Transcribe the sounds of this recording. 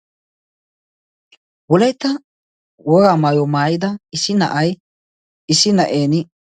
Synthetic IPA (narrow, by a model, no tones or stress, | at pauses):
wɔlɐjt̪ːɐ | wɔɡaːmaːjɔmaːjɪd̪ɐɪsɪnɐ̰ʔɐj | ɪsɪnɐʔeːnɪ